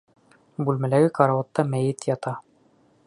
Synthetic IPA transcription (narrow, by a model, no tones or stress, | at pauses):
bʉlmælæɡɘkɑɾɑwŏt̪ːɑmæjɘt̪jɑt̪ɑ